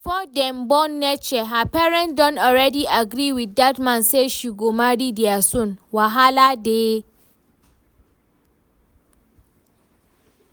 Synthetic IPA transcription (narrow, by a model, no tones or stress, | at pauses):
ifɔdɛ̃mbɔ̃nːɛt͡ʃʰɛɦapʰɛɹɛ̃ntdɔ̃ntɔɹɛdiʔaɡɾiwiθdatmãnseʃiɡomaɾidɛasõnwaɦaladeː